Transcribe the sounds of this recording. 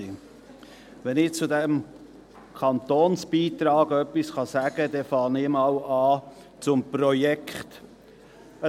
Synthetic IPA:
ʋɛnɪt͡sʊdɛm | kʰɑnt̪oːnsb̥iːt̪ɾɑːɡœpːisχɑsæɡ̥ədɛfɑːnɪmɑwɑː | t͡sʊmprɔjɛkχt̪

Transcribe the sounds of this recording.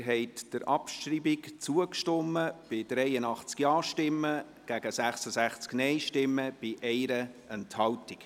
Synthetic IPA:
ɦɛɪtd̥əɾʔɑ̰pʃtriːbikt͡suəkʃtɔmːəb̥ɪd̥ɾɛɪənɑχt͡skjɑːʃtɪmːə | ɡ̥æɡ̥əsæχsəsæχt͡sknɛɪʃtɪmːəb̥ɪʔɛɪɾəɛnthɑltik

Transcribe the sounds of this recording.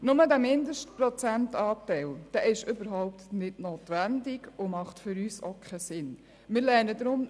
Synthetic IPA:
nʊmədæmɪndəʃtpɾɔt͡sæntɑːtɛɪld̥ɛːʔɪʃʏbəɾɦaʊp̚tnɪdnoːt̪ʋændɪɡʊmɑχtfʏɾyːsokʰɛsɪn | mɪːɾlɛnədɾʊm

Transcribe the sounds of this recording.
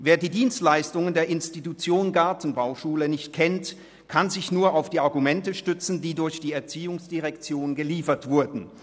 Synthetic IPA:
veːɐdiːdiːnstlaɪstʊŋəndeːɐʔɪnstitut͡sjoːnɡaɐtn̩baʊʃuːlənɪçtkʰɛnt | kʰanzɪçnuːɐaʊfd̥iːaɐɡumɛntəʃtʏt͡sn̩diːdʊɐçd̥iːɛɐt͡siːʊŋsd̥iʁɛkt͡sjoːnɡəliːfɐtv̥ʊɐdn̩

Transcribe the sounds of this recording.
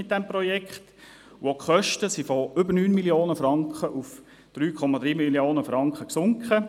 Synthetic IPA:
ɪt̚dɛmpɾɔjɛkχt | wokχœʃtəsifɔʏbənyːnmiljoːnəfɾɑŋkχəʔuf | d̪̥ɾyːkʰɔmɑd̪ɾiːmilioːnəfɾɑŋkχəksʊŋkχə

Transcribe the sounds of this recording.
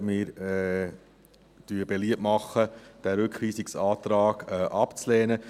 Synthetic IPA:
mɪːɾɛ | d̥yəb̥ɛliəpmɑχːəd̥æɾʉkχʋiːsɪksɑːt̪ɾɑːɡ̥ɛʔɑpt͡slɛːnə

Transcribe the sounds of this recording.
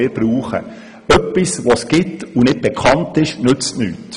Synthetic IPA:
ɪɾb̥ɾuːχə̰ | œpːisʋosɡ̥ɪtunɪd̚b̥ɛkʰɑntɪʃnɵt͡stny̰ːt

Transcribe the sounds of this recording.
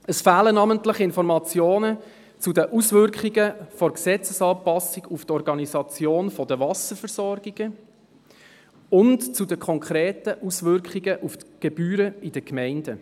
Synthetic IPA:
əsfæːlənɑməntləχɪnfɔɾmɑt͡sjoːnə | t͡sudəʔusvʏɾkχiɡəfɔɾksɛt͡səsɑːpɑsiɡuft̪ɔɾɡɑnizɑt͡sjoːnfɔdəvɑsəɾfəɾsɔrɡ̥iɡ̥ə | ʊntt͡sudəkʰɔŋkʰɾeːtəʔusʋʏɾkχiɡəʔuftɡ̥eb̥yːɾəid̥əkmɛɪndə

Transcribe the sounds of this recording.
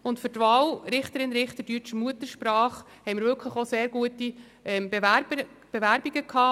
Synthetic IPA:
ʊntfʏɾtʋɑːwɾɪχtəɾɪnɾɪχt̪ədyt͡ʃəmuətəɾʃpɾɑːχ | hɛɪmɪɾʋʏɾkʰləχoseːɾɡ̥uəti | ɛmbeʋæɾbə | b̥eʋæɾbiɡəkʰɑː

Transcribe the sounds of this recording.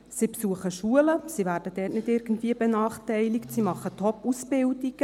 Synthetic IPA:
sipsuəχəʃuːələsiʋæːɾd̥əd̥ɛːtnɪdɪɾɡən̩tviːəbenɑːχtɛɪliktsimɑχətʰɔpːusbɪldiɡ̥ə

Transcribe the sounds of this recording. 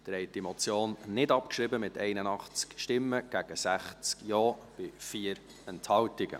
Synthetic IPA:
d̥̪ɾɛɪtimot͡sjoːnnɪdɑpkʃɾɪbəmɪtɛɪnənɑχt͡skʃtɪmːəɡ̥æɡ̥əsæχt͡skjɔːb̥ɪfiːəɾ | ɛnthɑwtɪɡə̰

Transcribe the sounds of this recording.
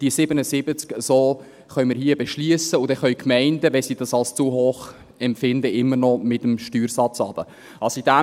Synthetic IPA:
d̥iəsɪbənəsɪbət͡skəsoː | χœʏmɪːɾhiəbɛʃliəsəʊd̥ɛχœʏkmɛɪndəʋɛsid̥ɑsɑlst͡suɦoːχ | ɛmfɪndəʔɪmːəɾnɔmɪtəmʃtyːɾsɑt͡sɑb̥ə | ʔɑsid̥æ

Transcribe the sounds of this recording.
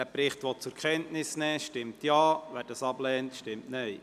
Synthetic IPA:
æpɾɪχtʋɔt͡sʊɾkχɛntnɪsnɛːʃtɪmtjɑːʋæːd̥ɑsɑblɛːntʃtɪmtnœj

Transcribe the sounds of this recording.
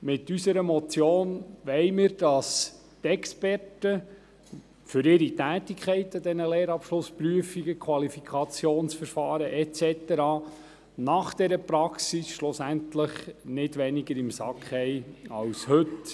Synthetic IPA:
mɪtːysəɾəmɔt͡sjoːnʋɛɪmɪːɾd̥ɑs | tɛkspɛrtə | fʏɾɪɾitæːtikʰχɛɪtədɛnəleːɾɑpʃlʊspryəfiɡəkʰwɑlifikʰɑt͡sjoːnsfəɾfɑːɾəʔɛt͡sɛtɛɾɑː | nɑχd̥ɛɾəpɾɑksisʃlʊsæntləχnɪtʋɛniɡəɾɪmsɑkχhɛɪɑwshɵt

